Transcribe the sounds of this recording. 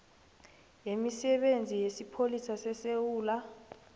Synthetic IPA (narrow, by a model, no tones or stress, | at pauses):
jemisɛɓend͡zʱijesipʰolisasɛsewuːla